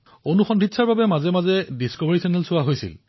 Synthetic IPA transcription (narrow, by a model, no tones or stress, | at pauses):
onuxɔndʱitsaɹbabɛmazɛmazɛdiskɔbaɹisɛnɛlsʊaɦojsḭl